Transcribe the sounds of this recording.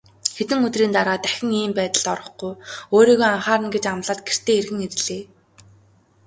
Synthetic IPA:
xet̪ɘ̆ŋɵt̪riːnt̪aɾaːt̪æxʲɪ̆ŋiːmpæːt̪ə̆ɮt̪ɔɾɞ̆χɡujoːɾiːɣoːaɴχaːɾə̆nɡet͡ɕamɮăːt̪̚ɡer̥t̪eːerɣɘ̆ŋet̆ɮeː

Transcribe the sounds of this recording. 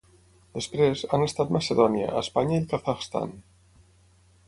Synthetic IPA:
d̪̥e̞spɾesanest̪aðomaseðonja̰aespaɲaikaθaxst̪a̰n

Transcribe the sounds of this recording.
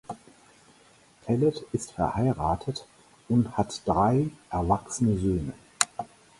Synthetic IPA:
pʰɛlətɪstfɛɐhaɪʁaːtʰət | ʊnthatd̥ʁaɪʔɛɐvaksənəzøːnə

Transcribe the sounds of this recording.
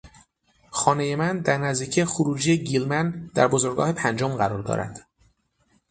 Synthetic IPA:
xɒːneje̞mænd̪æɾnæzd̪iːcʰijxoɾuːd͡ʒijeɟilmænd̪æɾbozoɾɡɒ̰ːhe̞pʰænd͡ʒomɢæɾɒːɾd̪ɒ̰ːɾæ̰d̪̥

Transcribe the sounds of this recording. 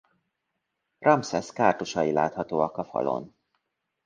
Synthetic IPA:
rʔɒmsɛskaːrt̪uʃɒila̰ːt̪hɒt̪oːɒkɒfɒ̰lo̰n

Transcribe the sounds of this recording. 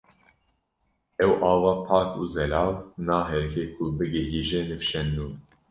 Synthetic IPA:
ɛwʔɑːvɑːpʰɑːkuːzɛlɑːwnɑːɦɛɾkʰeːkʰubɨɡɛɦiːʒɛnɨfʃɛnːuː

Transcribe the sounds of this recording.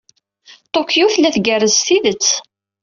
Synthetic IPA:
t̪ˤokjuθlæθɡærəzθiðət͡sː

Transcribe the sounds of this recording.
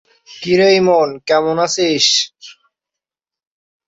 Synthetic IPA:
kiɾəjmonkɛmonasiʃ

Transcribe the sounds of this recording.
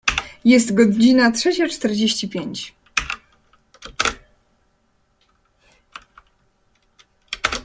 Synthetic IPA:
jɛst̪ɡɔd͡ʑinat̪ʂɛt͡ɕat͡ʂt̪ɛɾd͡ʑeɕt͡ɕipʲjeɲt͡ɕ

